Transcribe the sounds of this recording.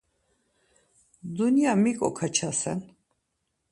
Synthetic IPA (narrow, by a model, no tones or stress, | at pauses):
d̪uniamikʼɔ̰kʰat͡ʃʰasɛ̰n